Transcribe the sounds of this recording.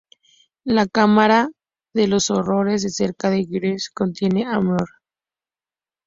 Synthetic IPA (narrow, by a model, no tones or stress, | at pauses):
lakamaɾa | ðe̞lo̞so̞ro̞ɾe̞zðese̞ɾkaðeɣɾesko̞nt̪je̞ne̞amoɾ